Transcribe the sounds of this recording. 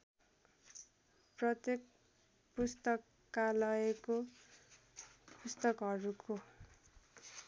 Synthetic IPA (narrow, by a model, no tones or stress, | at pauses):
prʌt̪jek̚ | pust̪ʌkːalʌeko | pust̪ʌkɦʌɾuko